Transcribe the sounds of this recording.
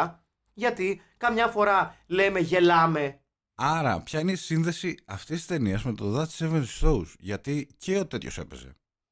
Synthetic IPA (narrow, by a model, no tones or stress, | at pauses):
ʝɐt̪i | kɐmɲɐfo̞ɾɐle̞me̞ʝe̞lɐme̞ | ɐɾɐ̰pçɐine̞isinðe̞siɐft̪isi̥st̪eniɐzme̞t̪oðɐst̪i̥seventi̥st̪o̞usʝɐt̪iceot̪e̞t̪ço̞̰se̞̰pe̞̰ze̞̰